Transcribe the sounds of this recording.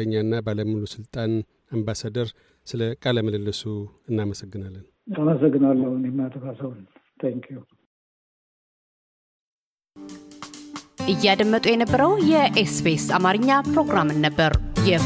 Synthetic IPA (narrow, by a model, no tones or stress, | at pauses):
ɲːanːabaləmulusɨlt̪ʼan | ambasad̪əɾ | sɨləkʼaləməlɨlːɨsuɨnːaməsəɡːɨnalːən | aməsəɡːɨnalːəhunjɛmːat̪ʰəfasəwnt̪ʰɛŋkʰju | ʔɨjːɛad̪əmːət̪ʼujɛnəbːəɾəwjɛʔesbesamaɾɨɲːapɾo̞ɡɾamɨnːəbːəɾjɛ